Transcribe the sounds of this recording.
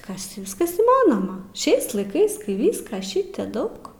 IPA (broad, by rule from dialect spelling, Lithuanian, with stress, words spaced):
ˈkɐs tʲɪ ˈʋʲɪskɐs iːˈmɑːnoːmɐ ˈʃʲɛɪs lˠɐɪˈkɐɪs ˈkɐɪ ˈʋʲiːskɐ ˈʃʲɪtʲeː ˈdɐʊk